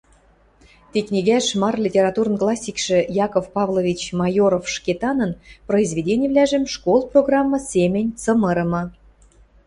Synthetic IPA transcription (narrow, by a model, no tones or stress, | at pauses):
t̪iknʲiɡʲæʃmɑrlʲitʲeɾɑt̪urnklˠɑsʲːikʃĕjɑkofpɑvlˠovʲit͡ɕmɑjoɾofʃkʲet̪ɑnɤnproizvʲedʲenʲĕvlʲæʒɘ̆mʃkolˠproɡrɑmːɤ̆sʲemʲɘ̆nʲt͡sɤmɤ̆ɾɤ̆mɤ̆